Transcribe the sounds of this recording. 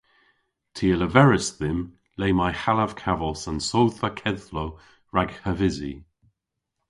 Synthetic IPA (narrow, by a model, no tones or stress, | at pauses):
tʰiːələvɛɹəsðɪm | leːmajhalav̥kʰavɔsənsowðvakʰɛðlo | ɹaɡhəvɪzḭ